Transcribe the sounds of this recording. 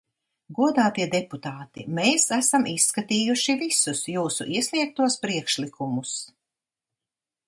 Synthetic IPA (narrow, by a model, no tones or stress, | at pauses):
ɡuɔd̪aːt̪iɛd̪eput̪aːt̪imeːsæsamʔisːkat̪iːjuʃivisusjuːsṵʔiɛsʲliɛk̚t̪uɔspɾiɛkʃlikʰumus